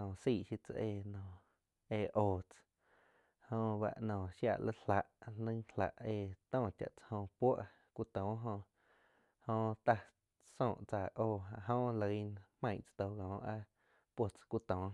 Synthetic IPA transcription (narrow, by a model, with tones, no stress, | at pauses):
ɔ̃˨siː˧˨ʔʃi˧t͡sa̰˧ʔeː˧˨nɔ̃˨ | eː˧˨ʔoː˧˨t͡s | hõ˧βa̰˧ʔnɔ̃ː˨ʃja̰˧˨lʔə˦la˨ʔlə̃˦la̰˨ʔeː˧˨t̪ɔ̃ː˦˧˨t͡ʃa̰˨ʔt͡sḁ˧hõ˧pwo˦ʔ | kʷu˦t̪ɔ̃ː˨˦ɦõ˧ | hõ˧t̪a˧ | sõː˧˨ʔt͡sa˨ʔoː˧˨ɦa˧˨ʔɦõː˦lə˨i˧nmã˧j̃t͡st̪o˧˨ɡɔ̃ː˨˦ʔa˦ | pwo˧t͡skʷu˦t̪ɔ̃ː˨˦